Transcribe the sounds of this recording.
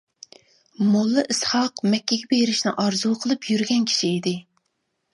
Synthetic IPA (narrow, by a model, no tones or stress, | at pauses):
molˠːɨʔɨsχɑqmɛkʲːɛɡʲɛbeɾɪʃnɪ̰ʔɑɾzuqʰəlˠɨpʰjyɾɡʲɛnkʲʰi̥ʃiːd̪ɪ